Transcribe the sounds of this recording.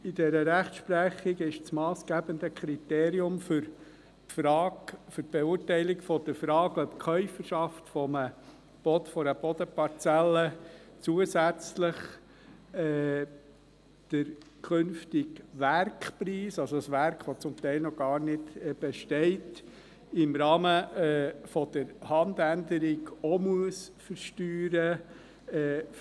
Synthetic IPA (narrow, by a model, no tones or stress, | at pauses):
idɛɾəɾæχtʃpɾæχɪɡɪʃsmɑːsɡ̥æbənd̪əkʰɾiteːɾiʊmfʏɾ | fɾɑːfʏɾtb̥ɛʊɾtɛɪlɪɡfɔd̥̪əɾfɾɑːɡœpkʰœʏfəɾʃɑftfɔmə | b̥ɔtfɔɾəb̥ɔdəpɑɾt͡sælːə | t͡suəsæt͡sləχ | ɛ | d̥əɾkʰʏnftɪɡʋæɾkpriːsɑlsɔsʋæɾkχʋɔt͡sʊmt̪ɛɪlnɔɡ̥ɑːɾnɪdb̥ɛʃtɛɪt | ɪmɾɑːmə | fɔd̥əɾhɑnd̪ændəɾɪɡɔmuəsfəɾʃtyːɾə | ɛ